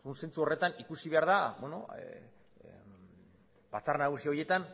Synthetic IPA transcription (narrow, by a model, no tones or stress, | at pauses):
unse̞nt͡suo̞re̞t̪anikusiβe̞aɾðaβeno̞̰ | bat͡sarnaɣ̞usioje̞t̪an